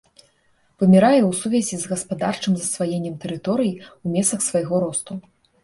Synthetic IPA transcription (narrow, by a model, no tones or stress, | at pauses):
vɨmʲɛɾajɛwsuvʲɐzʲizɣɐspad̪art͡ʂɨmzɐsvajenʲːɛmt̪ɛɾɨt̪ɔɾɨjiwmʲɛsɐxsvɐjɣɔɾɔst̪u